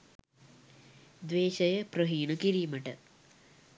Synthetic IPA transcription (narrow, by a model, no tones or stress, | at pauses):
d̪ʋeːʃɐjɐpɾɐɦiːnɐkiɾiːmɐʈɐ̰